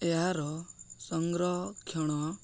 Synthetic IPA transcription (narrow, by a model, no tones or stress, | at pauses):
eɦaɾɔsɔŋɡɾɔkʰjɔɽ̃ɔ